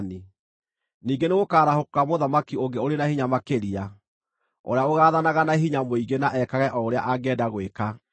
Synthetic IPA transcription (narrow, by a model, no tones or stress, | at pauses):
ni | niːɡeneɣokaːɾahokokamoðamakioŋɡeoɾenahiɲamakeɾia | o̰ɾeaoɣaːðanaɣanaɦiɲamoiɣenaʔɛkaɣɛʔɔoɾea̰ʔaɡɛdaɣweka